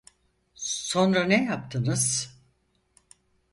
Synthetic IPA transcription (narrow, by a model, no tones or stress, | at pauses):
so̞nɾanejap̚t̪ʰɯnɯz̥